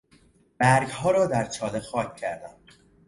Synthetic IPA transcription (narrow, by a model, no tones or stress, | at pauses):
b̥æɾɡhɒːɾɒːd̪æɾt͡ʃʰɒːlexɒːcʰʲːæɾd̪æm